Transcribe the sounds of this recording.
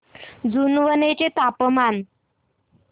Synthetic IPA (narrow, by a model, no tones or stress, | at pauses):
d͡zunʋənet͡ɕet̪apəman